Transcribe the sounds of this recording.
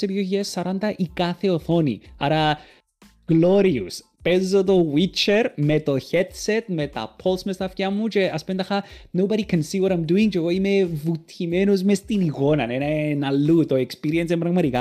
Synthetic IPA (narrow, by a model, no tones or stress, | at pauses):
sepijoçiesːɐɾant̪ɐʔikaθeoθonḭaɾa | ɡ̥loɾiṵs | pɛzot̪̬owit͡ʃeɾmet̪oçɛd̪set̪met̪a̰pʰolsmest̪ɐfjamːut͡ʃeʔɐspnd̪ɐxanowbaɾikʰɛnsiwɔɾajmd̪uiŋt͡ʃeɣoimevut̪ʰimenuz̬mest̪inikonɐnenenalːut̪oekspiɾiens̬empɾɐɣmat̪ika